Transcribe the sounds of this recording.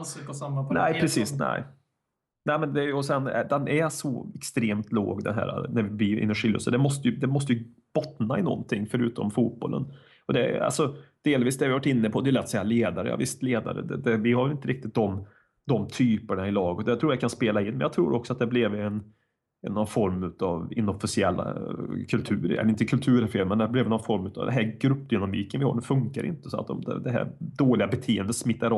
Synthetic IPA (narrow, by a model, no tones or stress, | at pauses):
samːanɛɪpɾɛsiːsnɛ̰ɪ | næɪmɛnd̪ɛæɾjɔsɛnɛ̰d̪ɛnʔæʂɔ̰ɛkst̪ɾeːmt̪lo̰ːɡd̪ɛnɦæ̰ːɾa̰næɾvɪvɪɪ̰nːəʂɪlːə̰səd̪ɛmɔst̪əjɵd̪ɛmɔs̬t̪əjɵ | b̥ɔt̪naɪnɔ̰nt̪ʰɪŋːfœɾʉ̟ːt̪ɔ̰mfuːt̪̚bɔ̰lʔə̰n | ɔd̪ɛa̰lsɔd̪̥eːlviːsd̪ɛhɾvɪavaʈːɪnːəpʰɔd̪ɛjʉlɛt̪ːɔ̥sɛjːaleːd̪aɾə̰jɑ̰ːvɪst̪leːd̪a̰ɾə̰d̪ɛd̪ɛvɪhavɛlɪnt̪əɾɪk̚t̪ɪt̪̚d̪ɔm | d̪ɔmt̪ʰyːpəɳaɪlɑːɡət̪jat̪ʰɾuːɾjakʰanspeːlaɪnːmɛnjɑt̪ʰɾuːɾʔɔksɔat̪̚d̪ɛæblɪvɛn | ɛnːɔnfɔɾmʉ̟ːt̪ɑvɪ̰nɔfɪsɪɛlːa̰kʰɵlt̪ʰʉ̟ːɾɛ̰ɪnt̪əkʰɵlt̪ʰʉ̟ːɾəfeːlmɛnd̪æblɪvɛnɔnfɔɾmʉ̟ːt̪ɑ̰vd̪ɛ̰nɦæɾɡɾɵpːd̪ʏnamiːkənvɪhɑ̰ːɖɛfɵŋkaɾɪ̰nt̪əsɔa̰t̪ɔ̰md̪ɛ̰d̪ɛɦæ̰ɾd̪oːlɪɡabɛt̪ʰeːənd̪ət̪smɪt̪ːaɾ